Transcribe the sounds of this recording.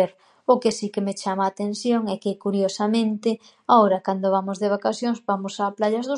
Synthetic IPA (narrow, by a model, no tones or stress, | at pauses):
eɾ | ʊkɪsikemet͡ʃamaːt̪ẽn̟θjoŋɛkɪkuɾjosamẽnt̪ɪ | aoɾɐkand̪oβamʊzðeβakaθjoŋzbamʊsaplaʎazðʊ